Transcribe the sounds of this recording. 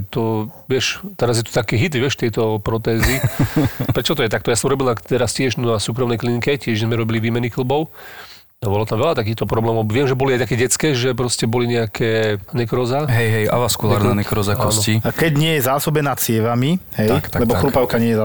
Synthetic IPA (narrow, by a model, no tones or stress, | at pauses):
t̪ɔʋɪɛʃt̪ɛɾazjɛt̪ɔ̥t̪akɛːɦid̪ʋɪɛʃt̪ɪɛjt̪ɔpɾɔt̪ɛːzi | pɾɛt͡ʃɔt̪ɔjɛt̪ak̚t̪ɔjasɔmuɾɔbilnat̪ɛɾascɪɛʒnasuːkɾɔmnɛjklinikɛcɪɛʒʒɛzmɛɾɔbiliʋiːmɛnixl̩bɔʊ | abɔlɔt̪amʋɛlat̪ak̬iːt̪ɔpɾɔblɛːmɔʊʋɪɛmʒɛbɔliajt̪akɛːɟɛt͡skɛːʒɛpɾɔscɛbɔliɲɛakʰɛːnɛkɾɔzaɦɛjɦɛja̰ʋaskulaːɾnanɛkɾɔzakɔnsɔcikɛɟɲɪɛjɛzaːsɔbɛnaːt͡sɪɛʋamiɦɛjkt̪alɛbɔxɾupaʊkaɲɪɛjɛa